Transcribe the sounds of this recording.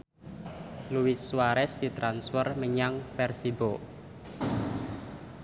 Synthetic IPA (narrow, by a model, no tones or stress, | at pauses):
luwɪsːwaɾɛsd̪̥it̪ɾansfərməɲaŋpɛrsibo